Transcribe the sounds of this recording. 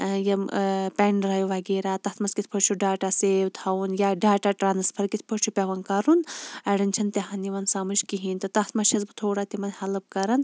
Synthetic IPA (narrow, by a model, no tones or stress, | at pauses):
jɐpʲeɳɖɾɐjuʋɐɡeːɾaːt̪ɐt̪ʰmɐskit̪ʰpʰɐɾt͡ʃʰuɖaːʈaseːʋt̪ʰɐunjaɖaːʈaʈɾaːnɐspʰɐɾkit̪ʰpʰɐt͡ʃʰupʲɐʋɐnkɐɾunɐɽɐnʲt͡ʃʰɐnt̪eɦaniʋɐnsamɨʃkiɦint̪ɨt̪ɐt̪ʰmɐʃɐzbɨt̪ʰoːɽaːt̪imɐnʲhɐlɨb̚kɐɾɐn